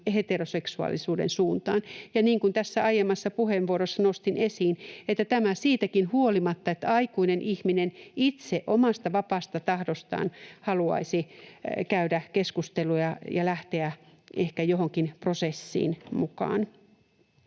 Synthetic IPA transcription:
het̪eroseksuɑ̰lisuːdḛnsuːnt̪ɑ̰ːnjɑniːŋkunt̪æsːæɑjemːˑɑsːɑpuhemʋuoɾosːɑnost̪inesiːnet̪ːæt̪æmæsiːt̪ækinhuolimɑt̪ːɑet̪ːæɑikuinenʔihminenit̪seʔomɑst̪ɑʋɑpɑːst̪ɑt̪ɑhdost̪ɑ̰ːnhɑluɑ̰isikæydækeskust̪elujɑjɑlæht̪eæehkæjohoŋkinprosesːḭːnmukɑ̰ːn

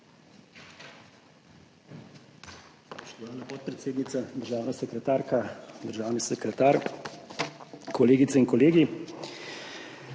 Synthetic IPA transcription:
sɔʃt̪ɔʋaːlnapot̪̚pɾɛt̪seːd̪nit̪sad̪əɾʒaːwnasɛkɾɛt̪aːɾkad̪əɾʒaːwnisɛkɾɛt̪aɾ | kʰɔleːɡit̪sɛiŋkɔleːɡi

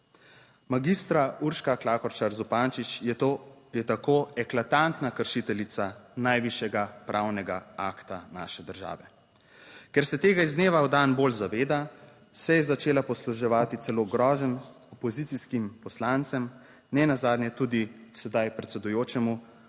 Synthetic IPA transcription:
maɡist̪ɾauɾʃkaklaːkɔɾt͡ʃaɾzupant͡ʃit͡ʃ | jɛt̪akoːɛklat̪ant̪nakəɾʃit̪ɛlit̪sanajʋiʃjɛɡapɾʔawnɛɡaaːkt̪ana̰ːʃɛd̪əɾʒa̰ːʋɛ | kɛɾsɛt̪eːɡaizneːʋawd̪anboːlzaʋeːd̪a | sɛjɛzat͡ʃeːlapɔsluʒɛʋaːt̪it̪sɛloːɡɾɔːʒən | ɔpɔzit̪siskimpɔslant̪sɛm | nɛnazaːd̪nʲjɛt̪uːd̪isɛd̪ajpɾɛt̪sɛd̪ujoːt͡ʃɛmu

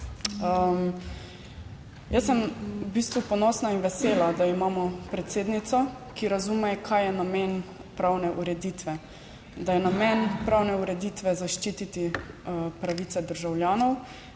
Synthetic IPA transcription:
əm | jəsːɛmbist̪ʋupɔnɔsnainʋɛseːlad̪aimaːmɔpɾɛt̪seːd̪nit̪sɔ | kiɾazumɛkʰajɛnameːn | pɾawnɛʔuɾɛd̪iːt̪ʋɛ | d̪ajɛnamɛnpɾawnɛuɾɛd̪iːt̪ʋɛzaʃt͡ʃiːt̪it̪i | pɾaʋiːt̪sɛd̪əɾʒawljaːnɔw

